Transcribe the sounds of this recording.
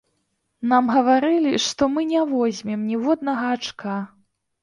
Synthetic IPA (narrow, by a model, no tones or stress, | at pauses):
namɣɐvaɾɨlʲiʂt̪ɔmɨnʲɛvɔzʲmʲɛmnʲɛvɔd̪nɐɣɐːt͡ʂka